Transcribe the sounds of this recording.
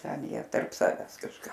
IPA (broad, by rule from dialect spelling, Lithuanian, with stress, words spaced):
ˈtʲɛn ˈjiɛ tɐrp ˈsɑːʋʲɛs kɐʃˈkɑː